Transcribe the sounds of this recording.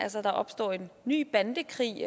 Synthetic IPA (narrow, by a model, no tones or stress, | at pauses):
ælsɒd̥ɑ̈ʔɒ̽b̥sd̥ɒ̰ːe̝nːy̰ːb̥ænd̥əkʰʁḭː